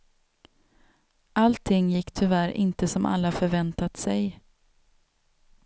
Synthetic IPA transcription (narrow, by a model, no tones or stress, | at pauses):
ʔalt̪ʰɪŋːjɪkːt̪ʰʏvæɾʔɪ̰nt̪əsɔmʔa̰lːafœɾvɛnt̪at̪sɛj